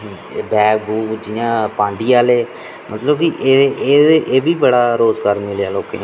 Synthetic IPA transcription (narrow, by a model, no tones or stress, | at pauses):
bɛːk̚buːkd͡ʒɪjãːpãːɳɖiːaːleː | mʔət̪ləbkiʔeʔeːʔeːbiːbəɽaːɾoːzɡaːɾmɪljaːloːkḛːnː